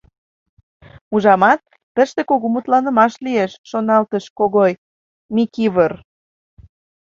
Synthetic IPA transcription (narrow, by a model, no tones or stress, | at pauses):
uʒɑmɑt̪̚ːəʃt̪ekoɣomut̪lɑnə̆mɑʃlieʃːonɑlt̪əʃkoɣoj | mikiβər